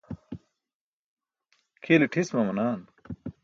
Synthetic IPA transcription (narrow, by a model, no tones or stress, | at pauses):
kʰiliʈʰismɐmɐnaːn